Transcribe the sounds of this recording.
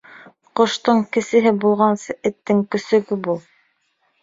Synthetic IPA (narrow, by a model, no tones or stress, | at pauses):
qŏʃt̪ɤɴkɘ̆sɘ̆ɦɘbulˠʁɑnsɤʔɘ̆t̪ːɘŋkɵ̆sɵ̆ɡɵbulˠ